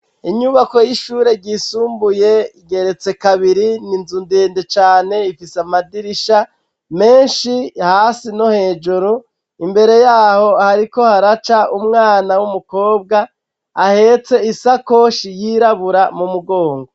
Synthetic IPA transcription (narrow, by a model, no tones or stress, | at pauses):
iɲuβako̞jiʃuːɾe̞ɟiːsuːmbuje̞iɡe̞ɾe̞t͡se̞kaβiɾininzundeːndet͡ʃaːne̞ifisamadiɾiʃa | me̞ːnʃihaːsinohe̞ːd͡ʒuɾu | imbe̞ɾe̞jaːho̞haɾiko̞haɾat͡ʃaʔumŋaːnawumuko̞ːb̚ɡaː | he̞ːt͡se̞isako̞ʃijiɾaβuɾamumuɡo̞ːŋɡo